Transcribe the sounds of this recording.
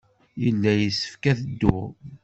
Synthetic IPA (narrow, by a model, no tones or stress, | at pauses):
jəlːæjəsə̥fkæθəd̪ːʊ